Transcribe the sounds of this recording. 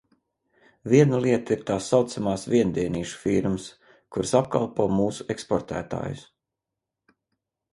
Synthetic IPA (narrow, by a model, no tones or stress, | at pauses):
viɛnalˠiɛt̪aiɾt̪aːsːawt̪samaːsviɛnd̪iɛniːʃu̥fiɾmɨs | kuɾsap̚ka̰lˠpoːmuːsu̥ekspɔɾt̪æ̰ːt̪a̰ːjṵs